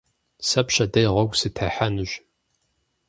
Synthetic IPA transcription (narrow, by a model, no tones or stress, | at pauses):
sɐpɕɐdɐjʁɐɡʷsɨtʰaħanɨʒ